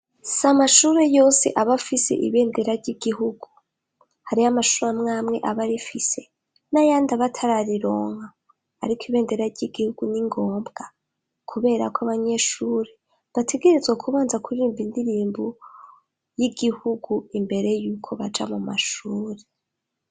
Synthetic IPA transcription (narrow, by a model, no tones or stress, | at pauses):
samaʃuɾe̞jo̞ːse̞̰ʔaβafise̞̰ʔḭβe̞ːnde̞ɾaɾɟiɡiɦuɡ̥u | haɾiamaʃuɾamŋaːmŋe̞ʔaβaɾifise̞ | najaːndaβatʰaɾaɾiɾo̞ːŋha̰ː | ɾikʰoiβe̞ːnde̞ɾaɾɟiɡihuɡ̥uniŋɡo̞ːmbɡ̥a | kʰuβe̞ːɾa̰kaβaɲe̞ːʃuːɾe̞ | βatʰe̞ɡe̞ɾezɡwakʰuβaːnzakuɾiːmbindiɾiːmbo | jiɡihuɡuimbe̞ɾe̞juːkʰo̞βad͡ʒamuma̰ʃuːɾe̞